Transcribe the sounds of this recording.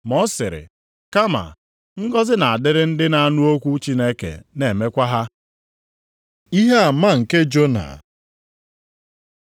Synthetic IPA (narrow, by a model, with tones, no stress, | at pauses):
mɔ˦sɪ˨ɾɪ̰˨ | ka˦ma̰˨ | ŋ̩˦ɡɔ˦zɪ˦na˨a˨dɪ˦ɾɪ˦n̩˦dɪ˦na˨a˦nu˦o˦kʷu˦t͡ʃi˦ne˦kḛ˨ne˨me˦kʷa˦ɦa˦ | i˦ɦe˦a˨ma˦ŋ̩˨ke˦d͡ʒo˦na̰˨